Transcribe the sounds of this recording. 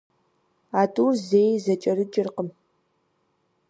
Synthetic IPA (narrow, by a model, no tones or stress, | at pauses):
aːtʼuːrzeːjzɐt͡ʃʼɐɾɨt͡ʃʼɪrqəm